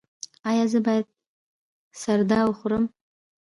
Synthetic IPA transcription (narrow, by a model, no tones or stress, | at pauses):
ajazɨbajtʼ | sardalχʷrɨm